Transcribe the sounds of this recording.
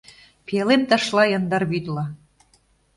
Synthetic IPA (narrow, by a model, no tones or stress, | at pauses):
pelent̪ɑ̆ʃlɑjɤ̆nd̪ɑrβid̪lɑ